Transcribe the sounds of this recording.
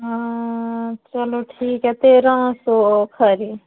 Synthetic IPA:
a | t͡ʃɐloʈʰiːkɦɛt̪eɾə̃ːsokʰəɾi

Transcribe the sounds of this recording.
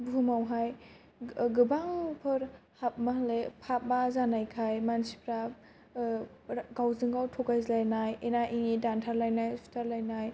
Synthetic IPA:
bumawɦaj | ɡɯbaŋpʰɯɾhap̚maɦalepʰap̚bazanajkʰajmansi̥pɾa | ɡawzɯŋɡawtʰɔkajzlajnajenaʔinidantʰaɾlajnajsu̥tʰaɾlajnaj

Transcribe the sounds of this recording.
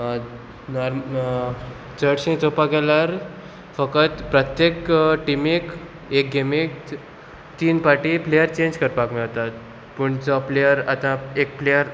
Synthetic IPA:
nɔɾm | t͡səɽɕĩt͡sopaɡɛlaɾ | fəkət̪pɾət̪jekʈimik | ek̚ɡemik | t̪iːnpaʈiplejəɾt͡ɕẽɲd͡ʑkəɾpakmiɭt̪at̪ | pəɳt͡sɔplejəɾat̪ãek̚plejəɾ

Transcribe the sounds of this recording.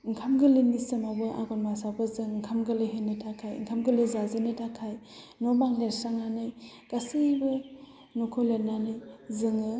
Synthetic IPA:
ŋkʰamɡɯlinisɐmabɯʔa̰ɡɔnmasabɯzɯŋŋkʰamɡɯlɯɦenitʰakʰaj̰ŋkʰamɡɯlɯzazenetʰakʰaj | nobaŋleɾsaŋanɯj | ɡ̥asibɯ | nokʰɔlenanɯjzɯŋɯ

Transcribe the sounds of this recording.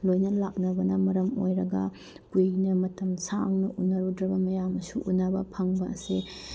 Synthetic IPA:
lojnɐlak̚nɐbɐnɐmɐɾɐmo̰jɾɐɡɐ̰ | pujnɐmɐtɐmsaŋnɐʔunːɐɾudɾɐbɐmɐjamɐsuʔunːɐbɐ̰pʰɐŋbɐɐ̰se

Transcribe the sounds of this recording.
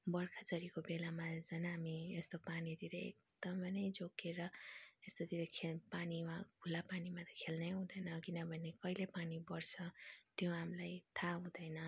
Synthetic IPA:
bʌrkʰad͡zʌɾikobelamad͡zʌnaɦamiest̪opanit̪iɾʌḛk̚d̪̥ʌmʌnʌjd͡zokeɾʌest̪od̪ʰiɾʌkʰepanimaɡʱulapanimat̪ʌkʰelnʌjɦũd̪ʌjnʌkinʌbʱʌnekʌilepanibʌrt͡sʰʌt̪jõɦamlajt̪ʰaɦũd̪ʌjnʌ

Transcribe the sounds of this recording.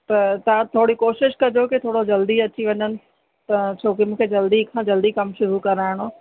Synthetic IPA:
t̪ɐt̪ɐʋ̤ãt̪ʰoːɽikoːʃɪʃkɐd͡ʑokɪt̪ʰoːɽod͡ʑɐld̪iɐt͡ɕiʋɐɲənɪ̆ | t̪ɐt͡ɕʰoːkimũːkʰed͡ʑɐld̪ikʰãːd͡ʑɐld̪ikɐmʃʊɾukɐɾaːɪɽ̃oː

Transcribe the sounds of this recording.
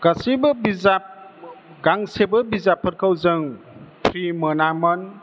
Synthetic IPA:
ɡ̥asibɯbizap̚ | ɡaŋsebɯbizapʰːət̚kʰawzɯŋpʰɾimənamən

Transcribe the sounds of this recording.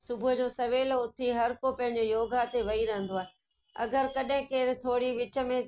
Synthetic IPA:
sʊbʱʊʊd͡ʑoːsɐʋeːloʊt̪ʰiɦɐɾkopɐ̃ɦɪ̃ɲ̆d͡ʑojoːɡat̪eʋɐiɾɐ̃ɦə̃nd̪oaːɦe | ɐ̰ɡəɾkɐɗɦɪ̃keːɾt̪ʰoːɽiʋɪt͡ɕə̆mẽ

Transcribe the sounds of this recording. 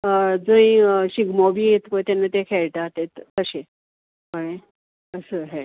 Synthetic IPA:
əd͡zəĩɕiɡmɔbiːjet̪pəjt̪ɛnːat̪ekʰɛɭʈ̪at̪et̪kəɕe | pəɭẽ | əsəːɦɛ̃

